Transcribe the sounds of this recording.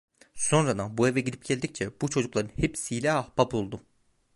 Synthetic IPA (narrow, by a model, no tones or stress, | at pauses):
so̞nɾad̪abue̞vɛɟid̪ʲip̚ɟelʲd̪ic̚t͡ʃʰɛbut͡ʃʰo̞d͡ʒuklˠaɾɯnhepsijlʲɛahbapulˠd̪u